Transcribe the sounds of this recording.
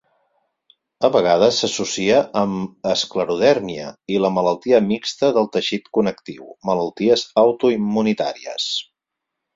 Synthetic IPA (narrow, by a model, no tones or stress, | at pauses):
əβəɣ̞aðəsːəsusiəʔəməskləɾuðɛɾmiə̰iləmələlˠt̪iəmikst̪əðəlˠt̪əʃit̪kunəkt̪iwmələlˠt̪iəzəwt̪uimːunit̪a̰ɾiə̰s